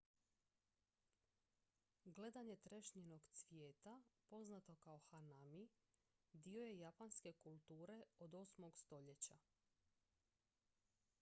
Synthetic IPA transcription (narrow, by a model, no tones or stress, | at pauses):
ɡle̞d̪aɲe̞t̪ɾe̞ʃɲeno̞ɡt̪sʋjeːt̪apo̞znat̪o̞kaoxanami | d̪io̞je̞japanske̞kulˠt̪uːɾe̞od̪o̞smo̞ɡst̪o̞ʎe̞t͡ɕa